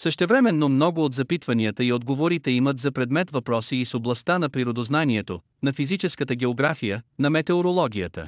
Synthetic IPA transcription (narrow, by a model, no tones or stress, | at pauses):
səʃt̪ɛvɾɛmɛnːomnɔɡʊot̪zɐpit̪vɐniət̪əiod̪ɡovoɾit̪ɛimət̪zɐpɾɛd̪mɛt̪vɐpɾɔsiːsoblˠɐst̪anɐpɾiɾod̪oznaniɛt̪o | nɐfizit͡ʃɛskət̪əɡʲɛoɡɾafijənɐmɛt̪ɛoɾolˠɔɡʲijət̪ə̰